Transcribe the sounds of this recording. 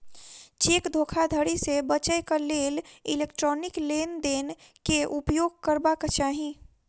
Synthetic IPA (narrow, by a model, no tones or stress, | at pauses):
t͡ʃeːkd̪ʱoːkʰad̪ʱəɽisebət͡ʃəjkaleːlileːkʈɾɔːnɪkleːnd̪eːnkeʔupjoːɡ̚kəɾbakat͡ʃaːɦi